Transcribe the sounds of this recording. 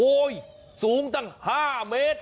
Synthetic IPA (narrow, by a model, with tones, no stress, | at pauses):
oː˧˩j | suː˨˦ŋt̪a˥˩ŋhaː˥˩meː˦˥t̪̚